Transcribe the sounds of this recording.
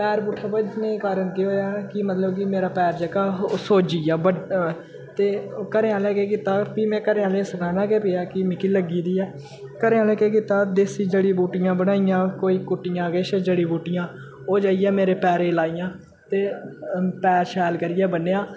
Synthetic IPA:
pɛːɾbuːʈʰaːbəd͡ʒneːkaːɾənk̪iɦoːjaːkɪmət̪ləbkɪmeːɾaːpɛːɾd͡ʒəkaːɦsoːd͡ʒiːjaːbə | t̪eːkəɾẽːãːlɛːkeːkiːt̪aːpiːmɛ̃ːkəɾeːãːleːsəkaːnãːkeːpeːjaːkɪmɪkiːləɡiːd̪iːɛː | kəɾẽːãlɛːkeːkiːt̪aːd̪eːsiːd͡ʒeːɽiːbuːʈɪjãːbənaːijãːkoːiːkʊʈːɪjãːɡeːʃeːd͡ʒeːɽiːbuːʈɪjãː | oːd͡ʒaːijɛːmeːɾeːpɛːɾeːlaːijãː | t̪eː | pɛːɾʃɛːlkəɾɪjɛːbəneːãː

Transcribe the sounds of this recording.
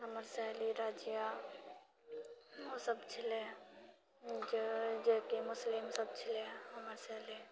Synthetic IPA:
ɦɐməɾsɛɦliɾaːd͡ʒija | ɦosəbt͡ʃʰɪle | d͡ʒekimʊslɪmsɐb̚t͡ʃʰɪleɦɐməɾsɛɦli

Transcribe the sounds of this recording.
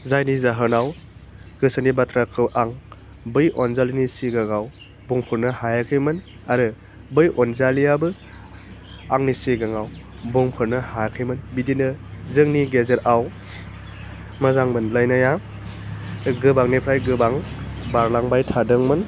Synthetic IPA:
zajnizaɦɯnaw | ɡ̥ɯsanibatʰɾakʰɯwʔaŋ | bɯjʔɔnzalinisiɡaŋaw | buŋpʰɯɾnɯhajakʰɯjmɯn | aɾɯ | bɯjʔɔnzalijabɯ | aŋnisiɡaŋaw | buŋpʰɯɾnɯhaakʰɯjmɯnbidinɯzɯŋniɡezeɾaw | mazaŋmɯnlajnaja | ɡɯbaŋnipʰɾajɡɯbaŋbaɾlaŋbajtʰadɯŋmɯn

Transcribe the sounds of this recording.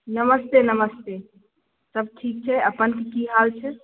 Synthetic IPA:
nəməst̪enəməst̪e | səb̚ʈʰik̚t͡ʃʰɛəpənkikiɦalt͡ʃʰɛ

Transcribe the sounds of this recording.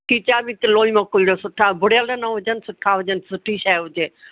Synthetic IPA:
ʈiːt͡ʃaːbit̪əloːimãːkoiɽosʊʈʰabʊɽələnaɦʊd͡ʒənsʊʈʰaːɦʊd͡ʒənsʊʈʰiːʃaːʊd͡ʒeː

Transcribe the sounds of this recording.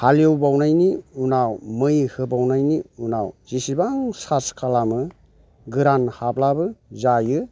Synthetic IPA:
haliowbawnajniunawmɯjhɯbawnajniunawz̥isibaŋsaskʰalamɯ | ɡɯɾanhablabɯzajɯ

